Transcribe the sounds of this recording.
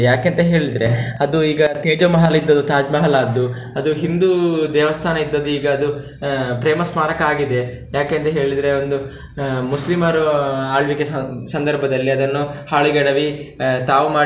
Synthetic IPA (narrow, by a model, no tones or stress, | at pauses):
jaːkent̪ɐɦe̞ːɭid̪ɾe̞ɐd̪uiːɡɐt̪eːd͡ʒɐmɐɦɐlɐid̪ːɐd̪ut̪aːd͡ʒmɐɦɐlaːd̪ːu | ɐd̪uɦind̪ud̪ɛːʋɐst̪ʰaːnɐid̪ːɐd̪uiːɡɐːd̪u | pɾeːmɐsmaːɾɐkaːɡid̪e | jaːkent̪ɐɦe̞ːɭid̪ɐɾeo̞nd̪u | muslimɐɾuaːɭʋikesɐnd̪ɐɾbʱɐd̪ɐlːiɐd̪ɐnːuhaːɭiɡɐɽɐʋit̪aːʋumaː